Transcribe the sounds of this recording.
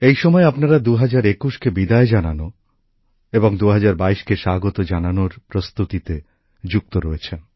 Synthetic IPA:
ejʃɔmɔeapnaɾad̪uɦad͡ʑaɾekuʃkebid̪aed͡ʑana̰no | eboŋd̪uɦad͡ʑaɾbaiʃkeʃaɡot̪od͡ʑananoɾpɾost̪ut̪it̪e | d͡ʑuk̚t̪oɾɔet͡ɕʰen

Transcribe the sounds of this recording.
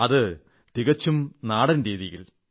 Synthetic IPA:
ɐðɨ | t̪iɣɐt͡ɕːumnaːɽɐnɾiːðijḭɭ

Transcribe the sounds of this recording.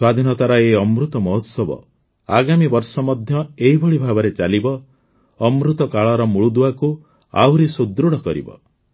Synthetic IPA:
swad̪ʱinɔt̪aɾɔeɔmɾut̪ɔmɔɦut̪sɔbɔ̰ | a̰ɡamibɔɾsɔmɔd̪ʱjɔeɦibʱɔɭibʱabɔɾet͡ʃalibɔ | ɔmɾut̪ɔkaɭɔɾɔmuɭud̪uwaku | a̰wɾisud̪ɾuɽɔkɔɾḭbɔ̰

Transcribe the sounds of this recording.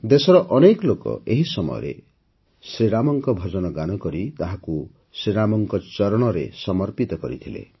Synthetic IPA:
d̪esɔɾɔʔɔnekɔlokɔ̰eɦisɔmɔ̰jɔ̰ɾḛ | sɾiɾamɔŋkɔbʱɔd͡ʒɔnɔɡanɔkɔɾit̪aɦaku | sɾiɾamɔŋkɔt͡ʃɔɾɔɽ̃ɔɾesɔmɔɾpit̪ɔkɔɾḭt̪ʰilḛ

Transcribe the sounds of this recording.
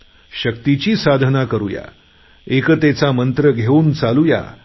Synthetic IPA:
ɕək̚t̪it͡ɕiːsad̪ʱənakəɾuja̰ | ekət̪et͡samənt̪ɾəɡʱeuːnt͡saluja̰

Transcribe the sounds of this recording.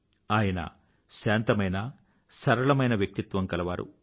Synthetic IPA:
aːjɐnɐ̰ | ʃaːnt̪ɐmɐjnɐ | sɐɾɐɭɐmɐjnɐʋjɐk̚t̪it̪ʋɐŋkɐlɐʋa̰ːɾṵ

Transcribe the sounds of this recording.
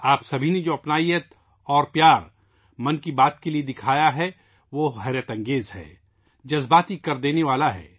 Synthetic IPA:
aːpsɐbʱined͡ʒoːɐpnaːijət̪ | ɔːɾpjaːɾ | mɐ̃nkibaːt̪kelied̪ɪkʰaːjaɦɛ | ʋoːɦɛɾjət̪ɐ̃ŋɡeːzɦɛ̰ː | d͡ʒɐzbaːt̪ikɐɾd̪eːneʋaːlaɦɛ̰ː

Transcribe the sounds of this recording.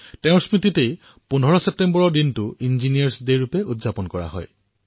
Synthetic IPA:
tẽʊ̃ɹsmɹititej | punʱɔɹɔsep̚tembɔɹɔɹdintʊinzinijaɹsdejɹupɛudzapɔnkɔɹa̰ɦɔ̰j

